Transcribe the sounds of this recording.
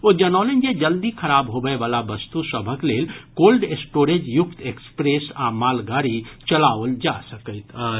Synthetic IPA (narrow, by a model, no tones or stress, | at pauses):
od͡ʒənawlend͡ʒed͡ʒəld̪ikʰəɾabɦobəebalabəst̪usəbʱəklelkolɖesʈoɾed͡ʒjukt̪ekspɾesamalɡaɾit͡ʃəlaʋəld͡ʒasəkəɪt̪ə